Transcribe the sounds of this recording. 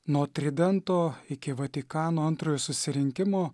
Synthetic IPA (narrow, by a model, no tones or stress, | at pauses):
nuːt̪ʲɾʲɪd̪ʲɛnt̪oːɪkʲɪʋɐt̪ʲɪkɑːnoːɐnt̪ɾoːjoːsʊsʲɪɾʲɪŋʲkʲɪmoː